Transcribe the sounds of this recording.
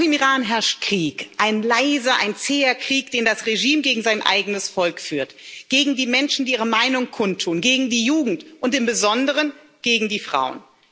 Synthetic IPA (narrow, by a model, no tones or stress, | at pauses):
xɪmiʁaːnɦɛɐʃt̚kʁ̥iːkʔaɪnlaɪzɐʔa̰ɪnt͡seːɐkʁ̥iːkd̥eːndasʁeʒiːmɡeːɡŋ̩zaɪnʔa̰ɪɡənəsfɔlkfyːɐtɡ̥eːɡŋ̩diːmɛnʃn̩diːiːʁəmaɪnʊŋkʰʊntʰːuːnɡeːɡŋ̩diːjuːɡŋ̩tʔʊntɪmbəzɔndəʁən | ɡ̥eːɡŋ̩diːfʁ̥a̰ʊən